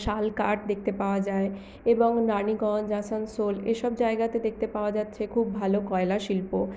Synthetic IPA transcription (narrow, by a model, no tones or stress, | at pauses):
ʃalkaɾʈd̪ek̚ʰt̪epaoad͡ʑae | eboŋnaniɡɔnd͡ʑasansoleʃɔb̚d͡ʑaeɡat̪ed̪ek̚ʰt̪epaoad͡ʑatːɕʰekʰubːʱalokɔelaʃilpo